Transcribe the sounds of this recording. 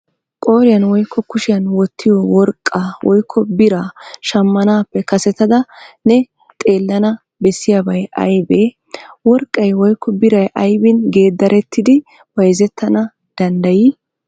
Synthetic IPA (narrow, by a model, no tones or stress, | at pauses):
kʼoːɾɪjɐnwɔjkʰːɔkʊʃɪjɐnwɔt̪ʰːɪjɔwɔɾkʼːawʔɔjkʰːɔbɪɾaːʃɐmːɐnaːpːɛkɐsɛt̪ːɐd̪ɐnɛ | t̪ʼe̞ːlːɐnɐ | bɛsːɪjabɐjʔɐ̰jbeː | wɔɾkʼːɐjwɔjkʰːɔbɪɾɐjʔɐjbɪnɡe̞ːd̪ːɐɾʔɛt̪ʰːɪd̪ɪ | wɐjzɛt̪ːɐnɐ | d̪̥ɐnd̪ɐji